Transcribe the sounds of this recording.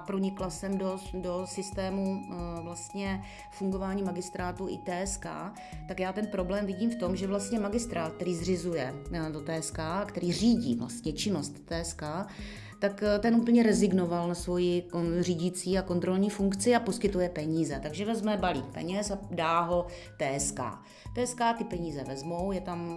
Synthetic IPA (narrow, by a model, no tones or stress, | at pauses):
apɾo̞ɲɪklasɛmdodo̞sɪst̪ɛːmuvlast̪ɲɛ | fuŋɡo̞vaːɲiːmaɡɪst̪ɾaːt̪uʔɪ̰t̪ɛːɛska̰ː | t̪akjaːt̪ɛnpɾo̞blɛːmvɪɟiːmft̪o̞mʒɛvlast̪ɲɛmaɡɪst̪ɾaːt̪̚kt̪ɛɾiːzr̝ɪzujɛdo̞t̪ɛːɛskaːakt̪ɛɾiːr̝iːɟḭːvla̰st̪ɲɛt͡ʃɪno̞st̪ːɛːɛskaː | t̪akt̪ɛnʔuːpl̩ɲɛɾɛzɪɡno̞valnasvo̞jɪor̝iːɟɪt͡siːako̞nt̪ɾo̞lɲiːfuŋkt͡sɪapo̞skɪt̪ujɛpɛɲiːzɛt̪aɡʒɛvɛzmɛbalḭːk̚pɛ̰ɲɛsadaːɦo̞ | t̪ɛːɛska̰ː | t̪ɛːskaːt̪ɪpɛɲiːzɛvɛzmo̞wjɛt̪am